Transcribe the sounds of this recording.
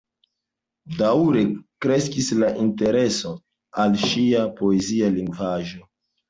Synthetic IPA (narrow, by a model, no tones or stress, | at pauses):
dawɾe̞kɾe̞skislaʔinte̞ɾe̞so̞ | alʃiapo̞ezialiŋɡvaʒo̞